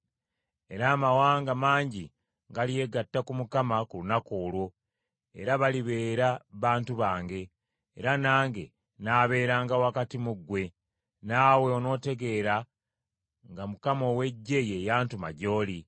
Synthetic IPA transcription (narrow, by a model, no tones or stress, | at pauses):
e̞ɾaːmawaːŋɡamaːɲɟi | ŋɡalije̞ɡatːakumukamakulunakoːlwo̞ | e̞̰ɾaβaliβe̞ːɾaβaːntuβaːŋɡe̞ː | ɾanaːŋɡe̞̰ | naːβe̞ːɾaːŋɡawakatimuɡːwe̞ | naːwe̞ono̞ːte̞ɡe̞ɾa | ŋɡamukamo̞we̞ɟːe̞je̞jaːntuma̰ɟo̞ːli